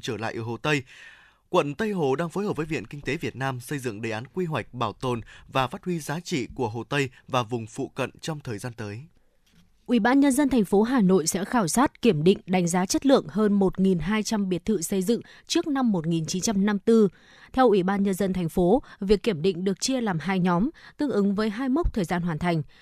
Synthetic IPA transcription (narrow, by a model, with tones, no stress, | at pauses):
t͡ɕəː˧˩la̰ː˧˨jʔəː˧˩ho˨˩t̪ə˧j | kwə̰˧˨nt̪ə˧jɦo˨˩ɗaː˧ŋfo˨˦jɦəː˨˩p̚vəː˨˦vḭ˧˨ənkï˧ŋ̟t̪e˨˦vi˨˩ət̚naː˧msə˧jzɨ̰˧˨ŋɗə˨˩jʔaː˨˦nkwi˧ɦwa˨˩jk̟̚ɓaː˧˩wt̪o˨˩nvaː˨˩faː˦˥t̚hwi˧zaː˨˦t͡ɕḭ˧˨ku˧˩əɦo˨˩t̪ə˧jvaː˨˩vʊ˨˩ŋ͡mfṵ˧˨kə̰˧˨nt͡ɕɔ˧wŋ͡mt̪ʰəː˨˩jzaː˧nt̪əː˨˦j | ʔwi˧˩ɓaː˧nɲə˧nzə˧nt̪ʰa˨˩ŋ̟fo˨˦ɦaː˨˩no̰˧˨jsɛ̰˧˥xaː˧˩wsaː˦˥t̚ki˧˩əmɗḭ˧˨ŋ̟ɗa˨˦ŋ̟zaː˨˦t͡ɕə˦˥t̚lɨ̰˧˨əŋhəː˧nmo˨˩t̚ŋi˨˩nɦaː˧jt͡ɕa˧mɓi˨˩ət̪̚ʰɨ̰˧˨sə˧jzɨ̰˧˨ŋ | t͡ɕɨ˦˥ək̚na˧mːo˨˩t̚ŋi˨˩nt͡ɕi˨˦nt͡ɕa˧mna˧mt̪ɨ˧ | t̪ʰɛ˧wʔwi˧˩ɓaː˧nɲə˧nzə˧nt̪ʰa˨˩ŋ̟fo˨˦vi˨˩əkːi˧˩əmɗḭ̈˧˨ŋ̟ɗɨ˨˩ək̚t͡ɕi˧əlaː˨˩mɦaː˧jɲɔ˨˦mt̪ɨ˧əŋʔɨ˨˦ŋvəː˨˦jɦaː˧jmə˦˥k͡p̚t̪ʰəː˨˩jzaː˧nɦwaː˨˩nt̪ʰa˨˩jŋ̟